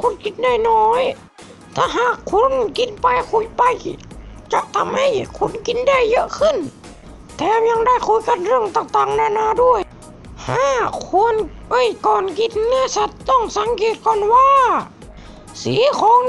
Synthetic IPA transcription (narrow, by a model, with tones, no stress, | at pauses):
kʰu˧˥˨nki˧˥t̪̚da˧˥˩jnɔː˧˦j | t̪ʰaː˧˩ɦaː˧˩kʰːu˧˥˨nki˧˦npa˧˦jkʰu˧˩˦jpa˧jt͡ɕa˧ʔt̪ʰa˧˥mha˧˩jkʰu˧˥˨nki˧˦nda˧˥˩jːɤ˧ʔkʰɯ˧˥˩n | t̪ʰɛː˧mɲa˧ŋda˧˩˨jkʰu˧˥˦jka˧˥nɾɯ˧˩əŋt̪aː˧˩ŋt̪aː˨˩ŋnaː˧˩˨naː˧˥du˧˩əj | haː˧˥kʰu˧˥ənʔɤ˧˥˩jkɔː˨˩nki˧˥n̚na˧˩˨sa˧˦t̪ːɔ˧˥˩ŋsa˨˦ŋkeː˧˩t̪̚kɔː˧˩nwaː˧˨ | sḭː˨˦kʰɔː˨˦ŋ